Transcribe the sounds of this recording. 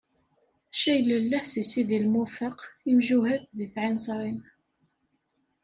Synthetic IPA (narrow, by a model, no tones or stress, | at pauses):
ʃæjləlːæhsisiðilmʊfəqimʒuhæθðiθʕinsˤɾˤin